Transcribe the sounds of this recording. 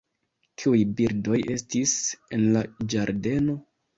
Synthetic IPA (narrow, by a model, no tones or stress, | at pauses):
kʰiujbiɾdo̞je̞stise̞nlad͡ʒaɾde̞no̞